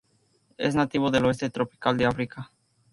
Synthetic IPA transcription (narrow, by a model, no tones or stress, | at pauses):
ḛznat̪iβoðe̞loes̬t̪et̪ɾopi̥kald̪eafɾika